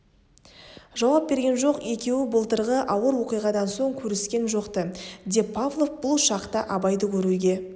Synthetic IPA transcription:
ʒɑwɑp̚be̞ɾɡʲe̞nʒo̞qe̞kʲe̞wɪbəlˠt̪əɾʁəʔɑwəɾwo̞qijʁɑd̪ɑnso̞ɴkʲʰɵɾɪskʲe̞nʒo̞qt̪əd̪e̞pʰːavlˠofbʊlˠʃɑqt̪əʔɑbɑjd̪əkʲʰɵɾuɡʲe̞

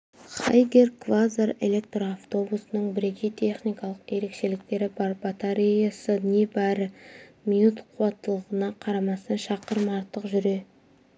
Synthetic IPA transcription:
χɑ̰jɡʲe̞rkvazare̞̰lʲe̞k̚t̪roaft̪o̞busənəɴbɪɾe̞kʲʰejt̪ʰe̞χnijkɑlˠəqje̞ɾe̞kʃe̞lɪk̚t̪e̞ɾɪbɑbat̪aɾʲijasənebæɾɪmijnut̪qʰuwɑt̪ːəlˠəʁənɑqʰɑɾɑmɑst̪ɑnʃɑqəɾmɑɾt̪əqʒʏɾe̞

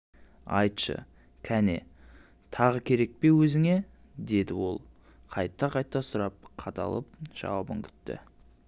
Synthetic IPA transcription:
ɑ̰jt̪ʃə̰ | kʲʰænḛ | t̪ʰɑʁəkʲʰe̞ɾe̞k̚pe̞wɵzɪŋe̞ | d̪e̞d̪ɪwo̞̰lˠ | qʰɑjt̪ːɑqʰɑjt̪ːɑsʊɾɑp̚qʰɑt̪ʰɑ̰lˠəp̚ʒ̥ɑ̰wɑpəŋkʲʰʏ̥t̪ːɪ̰

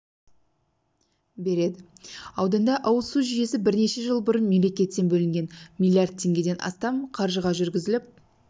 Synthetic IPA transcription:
be̞ɾe̞d̪ɪɑwd̪ɑnd̪ɑʔɑwəlˠsuʒije̞sɪbɪɾne̞ʃe̞ʒəlˠbʊɾənme̞mle̞kʲe̞t̪ːe̞nbɵlɪŋɡʲe̞nmʲilʲˠijard̪̚t̪ʲʰːe̞ŋɡʲe̞d̪e̞nʔɑ̰st̪ɑmqʰɑɾʒəʁɑʒʏɾɡʲɪzɪlɪp̚

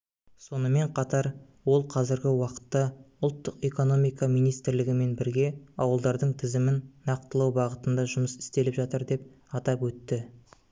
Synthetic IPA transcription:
so̞nəme̞ɴqʰɑt̪ɑɾ | wo̞lˠqʰɑzɪɾɡʲɪwɑqə̥t̪ːɑʊlˠt̪ːəqe̞ko̞no̞mijkɑmijnijst̪ɪɾlɪɡʲɪme̞nbɪɾɡʲe̞ɑwəlˠd̪ɑɾd̪əɴt̪ʰɪzɪmɪnːɑq̚t̪əlˠɑwbɑʁət̪ənd̪ɑʒʊməsɪ̥st̪e̞lɪpʒɑt̪əɾd̪e̞p̚ | ɑt̪ɑpwɵt̪ːɪ

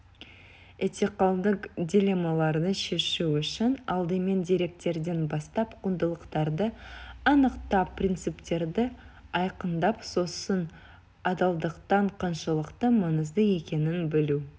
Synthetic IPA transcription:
et̪ʲeqɑlˠd̪əqdʲilʲe̞malˠɑɾd̪əʃe̞ʃuʏʃɪnɑlˠd̪əme̞nd̪iɾe̞k̚t̪e̞ɾd̪e̞nbɑst̪ɑpqʰund̪əlˠəqt̪ɑɾd̪əɑnəqt̪ɑpːrʲint̪sɨpt̪e̞ɾd̪ɪɑjqənd̪ɑpso̞sən | ɑd̪ɑlˠd̪əqt̪ɑɴqʰɑnʃəlˠəqt̪əmɑnəzd̪əe̞kʲe̞nɪnbɪlu

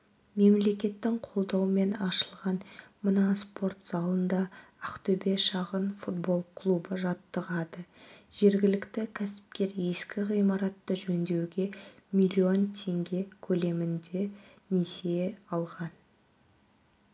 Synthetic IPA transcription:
me̞mle̞kʲe̞t̪ːɪŋqʰo̞lˠd̪ɑwme̞nɑʃəlˠʁɑnmənɑspo̞rt̪z̥ɑlˠənd̪ɑæqt̪ɵbe̞ʃɑʁənfut̪̚bo̞lˠkʰlˠubəʒɑt̪ːəʁɑd̪əʒ̥e̞ɾɡʲɪlɪkt̪ɪkʲʰæsɪ̥p̚kʲe̞ɾe̞skʲɪʁijmɑɾɑt̪ːəʒɵnd̪e̞wɡʲe̞mʲilʲio̞nt̪ʰe̞ŋɡʲe̞kʲʰɵle̞mɪnd̪e̞ | nese̞ɑlˠʁɑn

